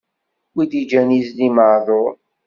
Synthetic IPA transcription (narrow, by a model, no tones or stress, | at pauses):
wid̪id͡ʒænizliməðˤoɾ